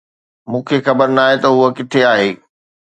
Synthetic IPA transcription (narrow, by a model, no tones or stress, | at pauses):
mũːkʰexɐbəɾnaːɦet̪ɐɦuəkɪt̪ʰeaːɦeː